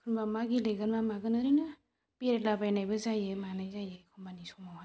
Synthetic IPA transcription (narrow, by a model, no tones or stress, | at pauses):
kʰɯɾmbamaɡileɡɯnbamaɡɯnɯɾɯnɯ | peɾet̚labajnajbɯzajemanajzajekʰɔnmbanisɔmaɦa